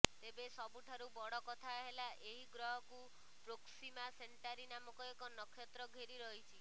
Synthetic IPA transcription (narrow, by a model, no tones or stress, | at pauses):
t̪ebesɔbuʈʰaɾubɔɽɔkɔt̪ʰaɦelaʔeɦiɡɾɔɦɔku | pɾoksimaseɳʈaɾinamɔkɔekɔnɔkʰːjɔt̪ɾɔɡʱeɾiɾɔɦit͡ʃʰi